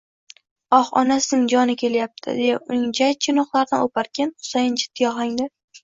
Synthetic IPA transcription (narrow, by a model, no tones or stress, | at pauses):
ɒχɒ̰nasɪnɪŋd͡ʒɒnɪkʲʰe̞ljap̚t̪ʰɪ̰d̪ejaʊnɪŋd͡ʒajt͡ʃʰɪnɒqlˠaɾd̪a̰nopʰaɾkʲanχʊ̥sajɪnt͡ʃʰɪ̥t̪ʰːɪjɒʁlˠaŋd̪ɪ